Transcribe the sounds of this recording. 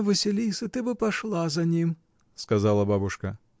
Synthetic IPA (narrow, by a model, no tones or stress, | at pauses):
vɨsʲɪlʲijsʲɐt̪ɨbɨpaʂlˠazɐnʲim | skazalˠɐbabʊʂkɐ